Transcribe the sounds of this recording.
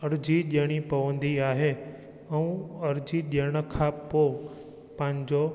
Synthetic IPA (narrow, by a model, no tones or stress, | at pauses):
əɾd͡ʒiɗeɽ̃ipəʋə̃nd̪ʱiaːɦe | əũəɾd͡ʒiɗeɽ̃əkʰaːpːo | pãːɲd͡ʒo